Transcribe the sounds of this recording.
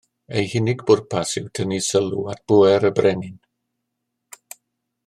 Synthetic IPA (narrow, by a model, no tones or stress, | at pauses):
ejhɪnɪɡbʊrpʰasɪwtʰənisəluat̚b̥ʊɛɾəbrɛnɪn